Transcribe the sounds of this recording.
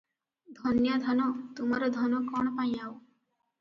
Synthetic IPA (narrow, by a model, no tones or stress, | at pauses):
d̪ʱɔnjad̪ʱɔnɔt̪umaɾɔd̪ʱɔnɔkɔɽ̃paj̃aw